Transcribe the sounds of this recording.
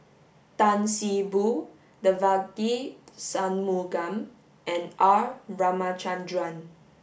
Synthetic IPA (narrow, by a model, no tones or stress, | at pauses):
t̪ãnsibu | dəvakisãnmuɡãm | ʔɛ̃naɹamat͡ʃãndɹãn